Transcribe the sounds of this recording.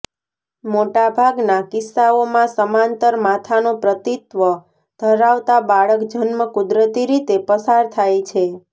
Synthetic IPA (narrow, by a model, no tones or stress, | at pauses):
moʈabʱaɡnakɪsːaomãsəmãnt̪əɾmat̪ʰanopɾət̪it̪ʋə | d̪̥ʱəɾaʋt̪abaɭəkd͡ʒənməkud̪ɾət̪iɾit̪epəsaɾt̪ʰajt͡ʃʰe